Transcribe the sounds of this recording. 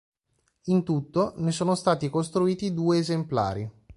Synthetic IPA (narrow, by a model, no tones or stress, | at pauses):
int̪ut̪ːonesoːnost̪aːt̪ikost̪ɾuiːt̪id̪uːeːzempla̰ːɾi